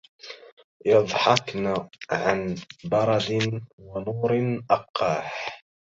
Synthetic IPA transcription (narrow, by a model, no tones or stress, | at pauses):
jɑd̪ˤħɑknaʕanbɑɾˤɑd̪ɪnwanuːɾnʔɑqːɑːħ